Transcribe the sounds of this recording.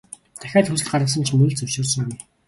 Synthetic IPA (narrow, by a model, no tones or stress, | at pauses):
t̪ʰæ̥xʲaːt̪xɵsɘ̆ɮt̪ɢaɾʁə̆s̬ə̆nt͡ɕʰmɵ̆ɮt͡sɵwʃʊːrsə̆ŋami